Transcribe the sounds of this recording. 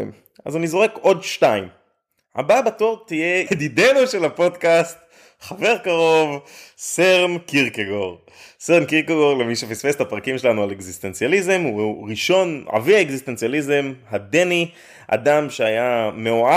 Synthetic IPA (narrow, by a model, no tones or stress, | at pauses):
a̰zumizʁeko̞dʃtaim | a̰babatoʁt̪ijed̪idenuʃelapo̞dkast | χave̞ʁkaʁo̞vseʁmkiʁkeɡoʁ | seʁmkiʁkeɡo̞ʁlemiʃefisfestapʁakimʃe̞lanualeɡzist̪e̞nt͡sjalizemuʁiʃo̞nʕa̰viaeɡziste̞nt͡sjalizemhade̞ni | ʔa̰damʃeajameoa